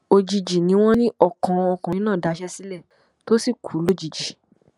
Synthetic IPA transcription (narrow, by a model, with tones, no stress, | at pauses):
o˧d͡ʒi˧d͡ʒi˨nĩ˨˦w̃ɔ̃˦nĩ˦ʔɔ˦˨kɔ̃˨˧ɔ˧kã˨˦nãː˦˨da˨˦ʃɛ˦si˦lɛ˦˨ | to˦si˦˨kʰu˨˦lo˦˨d͡ʒi˨d͡ʒi˨